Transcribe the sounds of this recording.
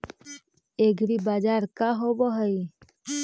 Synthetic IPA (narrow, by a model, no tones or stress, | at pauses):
eːɡɾiːbaːd͡ʒaːɾkaɦoboɦəi